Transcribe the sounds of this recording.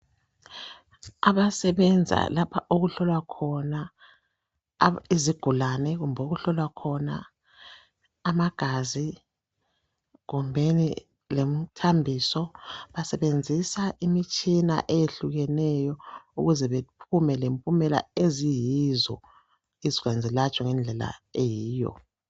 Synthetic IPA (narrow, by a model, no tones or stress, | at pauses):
aβasɛβɛnd͡zʱa̰lapʰaʔoɣuɬɔlwakʰɔna | iziɡ̥ʱulanɛɣumbʱoɣuɬɔlwakʰɔna̰ | maɡ̥ʱazi | ɣumbʱenḭ | lem̩tʰambʱisɔβasɛβend͡zʱisaʔimit͡ʃʼina̰ʔejeɬuɣɛnɛjɔṵɣuzɛβepʰumɛlempʼumɛla̰ezijizɔ̰ | iziɣwand͡zʱɛlat͡ʃʼɔŋɛnd͡ɮʱɛla̰ejiːjɔ̰